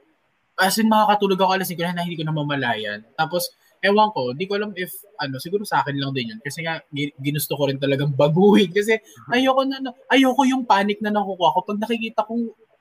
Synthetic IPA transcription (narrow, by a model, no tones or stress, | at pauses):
asʊŋmɐŋakɐt̪uːloɡɐkoʔɐlɐsɪnkonahnɐhɪnd̪iːkonɐmɐmɐlaːjɐ̰nt̪aːpos | ʔɛwɐŋko̞ɪnd̪iːkoʔɐlamɪf | ʔɐno̞sɪɡuːɾosɐʔaːkɪnlɐŋd̪ɪnjonkɐsɛŋaɡɪnʊst̪okoɾɪnt̪̬ɐlɐɡaŋbɐɡuːhɪnkɐs̬ɛɐjoːko̞nɐɐno̞ʔɐjoːko̞jʊŋpaːnɪk̚nɐnɐkukuɐko̞pɐɡ̚nɐkɪkiːt̪ɐkoŋ